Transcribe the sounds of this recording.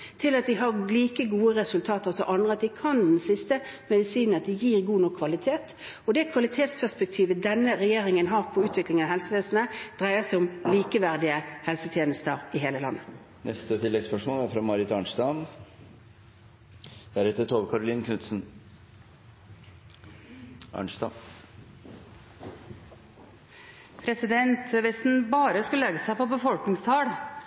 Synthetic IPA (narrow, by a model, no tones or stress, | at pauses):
t̪ʰɪlɑt̪̚d̪ɪɦɑʁliːkəɡuːəʁɛsʉlt̪ʰɑːt̪əʁsɔʔɑnd̪ʁəɑt̪̚d̪ɪkʰɑndd̪ɛn̩sɪst̪əmɛd̪ɪsiːnnɑt̪d̪ɪjiːʁɡuːnɔkʰːʋɑlɪt̪ʰeːt̪ | ɔd̪ɛkʰʋɑlɪt̪ʰeːt̪spʰæʁspɛk̚t̪ʰiːʋəd̪ɛnːəɾɛjeːʁɪŋənɦɑːʁpʰɔʉːt̪ʰʋɪklɪŋnɑɦɛlsəʋeːsnəd̪̥ʁæɪəsæɪʊmliːkəʋæʁd̪ɪəhɛlsət̪ʰjeːnəst̪əʁɪɦeːləlɑ̰nːə | nɛst̪ət̪ʰɪlːɛɡspœʂmoːlæɾfɾɑmɑɾɪt̪ɑɳʂd̪ɑm | d̪̥æɾɛt̪əʈ̪ʰoːʋəkʰɑɾʊliːnkʰʉt̪sn̩ | ɑ̰ɳʂd̪ɑ̰m | pʰɾɛsɪd̪ɛnt̪ʋɪsn̩bɑːɾəskʉləɛɡəsæɪpɔbəfɔlknɪŋst̪ʰɑːɽ